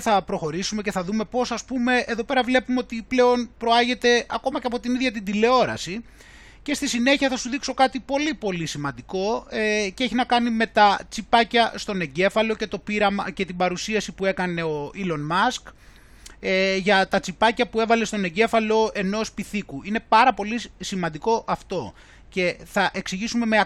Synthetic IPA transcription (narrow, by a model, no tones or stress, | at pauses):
θɐpɾo̞xo̞ɾisumece̞θɐðume̞po̞sɐspume̞eðo̞pe̞ɾɐvle̞pumeo̞t̪iple̞o̞npɾo̞ɐʝe̞t̪e̞ɐko̞mɐceɐp̬o̞t̪iniðʝɐt̪ind̪ile̞o̞ɾɐ̰si | ce̞st̪isine̞çiɐθɐsuðikso̞kɐt̪ipo̞lipo̞lisimɐnd̪iko̞eceeçinɐkɐnime̞t̪ɐt͡sipɐcɐst̪o̞ne̞ɲɟe̞fɐlo̞ce̞t̪o̞piɾɐmɐce̞t̪ibɐɾusiɐsipue̞kɐne̞o̞ilo̞nmɐsk | ʝɐt̪ɐt͡sipɐcɐpue̞vɐle̞st̪o̞ne̞ɲɟe̞fɐlo̞e̞no̞spiθikuine̞pɐɾɐpo̞lisimɐnd̪iko̞ʔɐft̪o̞ | ce̞θɐʔe̞ksiʝisume̞me